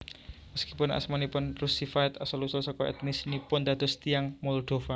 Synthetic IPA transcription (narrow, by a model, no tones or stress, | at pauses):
məskipʊna̰smanipʊnrusifaɪt̪asɔlusʊlsɔkɔɛ̰t̪̚misnipʊnd̪a̤d̪̥ɔ̤st̪iaŋmɔld̪̥o̤fa